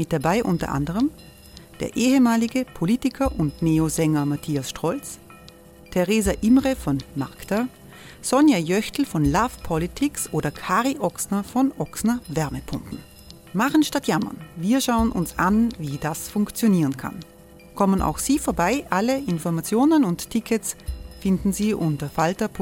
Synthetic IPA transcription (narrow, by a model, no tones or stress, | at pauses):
mɪt̚d̥abaɪʔʊntɐ̰ʔa̰ndəʁəm | d̥ḛːɐʔeːɦəmaːlɪɡəpʰoliːtɪkʰɐʔʊntneːozɛŋɐmatʰiːasʃtʁ̥ɔlt͡s | tʰeʁeːzaʔɪmʁəfɔnma̰ʁkta | sɔnjajœçtl̩fɔnlaːfpʰɔlitʰɪksʔoːdɐkʰaːʁiʔɔksnɐfɔnʔɔksnɐvɛɐməpʰʊmpn̩ | maχənʃtatjamɐ̰nviːɐʃaʊənʔʊ̰nsʔa̰nviːd̥asfʊŋkt͡sjoniːʁənkʰa̰n | kʰɔmənʔa̰ʊxz̥iːfoːɐbaɪʔaləʔɪnfɔɐmat͡sjoːnənʊnttʰɪkʰətsfɪndn̩ziːʔʊntɐfaltɐp